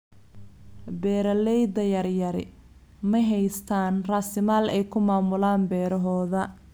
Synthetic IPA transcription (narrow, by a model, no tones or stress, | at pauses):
bɛːɾɐlɛjd̪ɐjɐrjɐɾɪ | mɐɦɛjst̪ʰaːnrasɪmaːlɛjkʰʊmaːmʊlaːnbɛːɾɐɦɔːðɐ